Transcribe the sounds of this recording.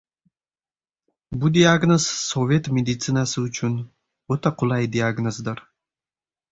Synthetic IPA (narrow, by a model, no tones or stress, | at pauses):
bud̪ʲiaɡnozsovʲet̪mʲed̪it̪sɨnasɨʊt͡ʃʰyn | ot̪aqʰʊlˠɑjd̪iaɡnozd̪ɯɾ